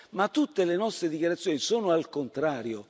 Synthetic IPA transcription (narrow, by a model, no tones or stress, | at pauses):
mat̪ːut̪ːelenɔst̪ɾed̪ikjaɾat̪sːjoːnisoːnoalkont̪ɾaːɾjo